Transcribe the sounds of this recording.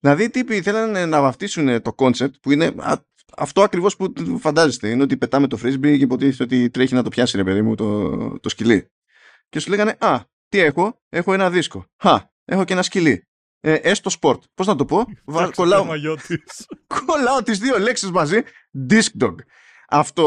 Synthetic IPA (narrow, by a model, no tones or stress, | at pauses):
ðilɐðit̪ipiθe̞lɐnenɐvɐft̪isunet̪o̞ko̞nsep̚t̪̚puine̞ɐ̰ | ɐ̰ft̪o̞ɐkɾivo̞spufɐnd̪ɐze̞st̪e̞ineo̞t̪ipe̞t̪ɐme̞t̪o̞fɾizbiceipo̞t̪iet̪o̞t̪it̪ɾeçinɐt̪o̞pçɐsiɾe̞pe̞ðimut̪ot̪o̞scilḭ | ce̞suleɣɐne̞ʔɐ | t̪ie̞xo̞ | e̞xoe̞nɐðisko̞xɐ | e̞xo̞ce̞nɐscili | eʔest̪o̞spo̞ɾt̪po̞znɐt̪o̞po̞vɐkolɐoot̪iko̞lɐot̪izðio̞le̞ksizmɐzi | d̪isk̚d̪oɡ | ɐft̪o